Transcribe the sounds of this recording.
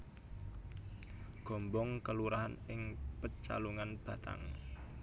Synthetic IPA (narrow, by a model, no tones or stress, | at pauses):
ɡ̥ɔ̤mbɔŋkəluɾaɦanɪŋpət͡ʃa̰luŋanb̥ä̤t̪a̰ŋ